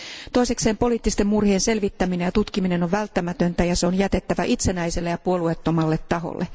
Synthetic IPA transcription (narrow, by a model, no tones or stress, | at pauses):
t̪o̞isekse̞ːmpo̞liːt̪ːist̪emmurhiense̞lʋit̪ːæminejɑt̪ut̪kimine̞noʋʋælt̪ːæmæt̪ønt̪æjɑseonjæt̪e̞t̪ːæʋæʔit̪se̞næjse̞lːejɑpuo̞luet̪ːo̞mɑlːet̪ːɑɦo̰lːʔe